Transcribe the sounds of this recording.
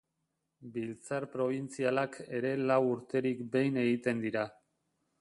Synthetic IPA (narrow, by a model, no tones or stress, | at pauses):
bilt͡saɾpɾo̞β̞int͡sialake̞ɾe̞lawuɾt̪e̞ɾikbe̞jne̞ɣit̪e̞nd̪iɾa